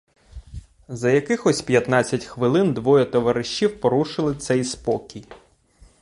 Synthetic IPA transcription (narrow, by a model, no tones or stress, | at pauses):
zɐjɐkɪxɔsʲpʲjɐt̪nɑt͡sʲːɐtʲxʋɪlˠɪnd̪ʋɔjɔt̪ɔʋɐɾɪʃt͡ʃːiwpɔɾuʃɪlˠɪt̪sɛjspɔkʲij